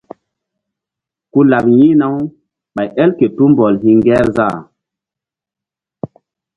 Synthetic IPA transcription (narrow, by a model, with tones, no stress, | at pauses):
ku˦la˨p̚ji˦na˦w | ɓa˨jʔɛ˦lke˨tu˦mbɔ˨lhi˦ŋɡɛ˦ɾza˦˨